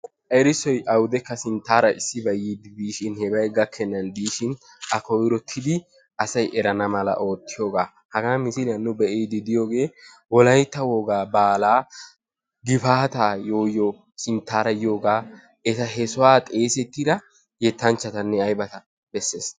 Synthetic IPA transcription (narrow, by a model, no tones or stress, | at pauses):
ʔɛɾɪsɔjʔɐwʊd̪ɛkːɐsɪnt̪ːaːɾɐɪsːɪbɐjid̪ɪd̪iːʃɪnhɛbɐjɡɐkʰːɛnːɐnd̪iːʃɪn | ʔɐkɔjɾɔt̪ʰːɪd̪ɪ | ʔɐsɐjʔɛɾɐnɐmɐlɐ̰ʔo̞ːt̪ːɪjo̞ːɡaː | hɐɡɐmɪsɪlɪjɐnːʊbɛʔeːd̪ɪd̪ɪjo̞ːɡe̞ː | wɔlɐjt̪ːɐwoːɡaːbaːlaː | ɡɪfaːt̪aːjo̞ːjɔ | sɪnt̪ːaːɾɐjo̞ːɡaː | ɛtɐɦɛsʊwaːt̪ʼe̞ːsɛt̪ːɪɾɐ | jɛt̪ːɐnt͡ʃːɐt̪ɐnːɛɐjbɐt̪ɐ | bɛsːḛːs